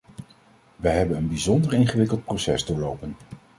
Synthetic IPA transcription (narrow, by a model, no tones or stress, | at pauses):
ʋɛjɦɛbənənbizɔndəɹɪnχəʋɪkəlˠt̚prosɛ̰zdʊːɹlowpən